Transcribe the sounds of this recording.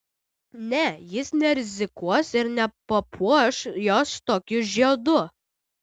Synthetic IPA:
nʲɛjɪsnʲɛɾʲɪzʲɪkuɔsɪɾnʲɛpɐpʰuɔʃjoːst̪oːkʲʊʒʲiɛd̪ʊ

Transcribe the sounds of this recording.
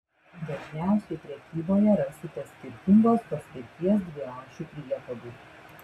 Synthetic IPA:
d̪ɐʒʲnʲæˑʊsʲɛɪpʲɾʲɛkʲiːboːjɛɾɐsʲt̪ʲɪt̪ɐsʲkʲɪɾʲt̪ʲɪŋɡoːspɐsʲkʲɪɾʲt̪ʲiɛs̬d̪ʲʋʲɪɾɑʊkt͡ʃʲupʲɾʲiɛt̪ɐd̪uː

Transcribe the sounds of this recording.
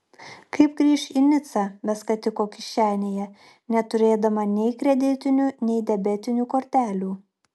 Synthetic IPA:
kɐɪpɡɾʲiːʃinʲɪt̪sɑːbʲɛskɐt̪ʲɪkoːkʲɪʃʲt͡ʃʲæːnʲeːjɛ | nʲɛt̪ʊɾʲeːd̪ɐmɐnʲɛɪkɾʲɛd̪ʲɪt̪ʲɪnʲunʲɛɪd̪ʲɛbʲɛt̪ʲɪnʲuːkoːɾʲt̪ʲæːlʲuː

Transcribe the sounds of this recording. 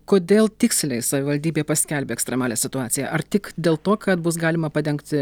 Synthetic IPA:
koːd̪ʲeːlˠt̪ʲɪksʲlʲɛɪsɐʋʲɪʋɐlʲd̪ʲiːbʲeːpɐsʲkʲɛlʲbʲeːɛkst̪ɾʲɛmɑːlʲeːsʲɪt̪ʊɑːtsʲɪjɛ̰ʔɐrt̪ʲɪkd̪ʲeːlˠt̪oːkɐt̪bʊs̬ɡɑːlʲɪmɐpɐd̪ʲɛŋkt̪ʲɪ

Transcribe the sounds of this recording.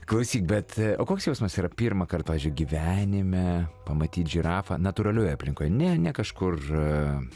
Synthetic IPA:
klˠɐʊsʲiːkbʲɛt̪oːkoːksjɛʊsmɐsiːɾɐpʲiːrmɐkɐrt̚pɑːʋʲɛzʲd͡ʒʲʊɪɡʲiʋʲæːnʲɪmʲɛpɐmɐt̪ʲiːt̪ʒʲiɾɑːfɐ̰ːnɐt̪uɾɐlʲoːjɛɐpʲlʲɪŋkoːjɛnʲɛnʲɛkɐʃkʊr

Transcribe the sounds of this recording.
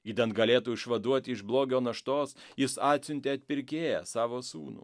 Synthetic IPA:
iːd̪ɐnt̪̚ɡɐlʲeːt̪uːɪʃʋɐd̪uɔt̪ʲɪɪʃblˠoːɡʲoːnɐʃt̪oːsjɪsɑːt̪ʲsʲʊnʲt̪ʲeːɐt̪ʲpʲɪɾʲkʲeːjɛsɑːʋoːsṵːnṵː

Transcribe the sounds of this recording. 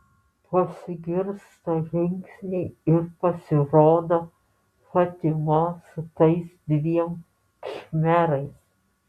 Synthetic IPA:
pɐsʲɪɡʲɪɾst̪oʒʲɪŋʲksʲnʲɛɪɪɾpɐsʲɪɾoːd̪oː | fɐt̪ʲɪmosʊt̪ɐɪsd̪ʲʋʲiɛm | ʃʲmʲæɾɐɪs

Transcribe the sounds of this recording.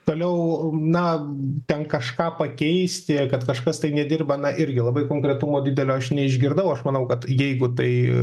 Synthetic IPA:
t̪oːlʲɛʊnɐt̪ʲɛnkɐʃkɑːpɐkʲɛɪsʲt̪ʲɪkɐt̪kɐʃkɐst̪ɐɪnʲɛd̪ʲɪrbɐnɐʔɪɾʲɡʲɪlˠɐbɐɪkoːŋkɾʲɛt̪ʊmoːdʲɪd̪ʲɛlʲoːɐʃnʲɛɪʒʲɡʲɪɾd̪ɐʊɐʃmɐnɐʊkɐt̪jɛɪɡʊt̪ɐɪ

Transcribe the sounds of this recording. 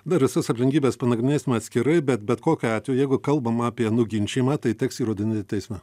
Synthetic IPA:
d̪ɐʋʲɪsɐsɐpʲlʲɪŋʲkʲiːbʲeːspɐnɐɡɾʲɪnʲeːsʲɪmɐt̪ʲsʲkʲɪɾɐɪbʲɛt̪bʲɛt̪koːkʲoɑːt̪ʲjʊjɛɪɡʊkɐlˠbɐmɑːpʲiɛnʊɡʲɪnʲt͡ʃʲiːmɑːt̪ɐɪt̪ʲɛksiːɾoːd̪ʲɪnʲɪt̪ʲɛɪsʲmʲɛ

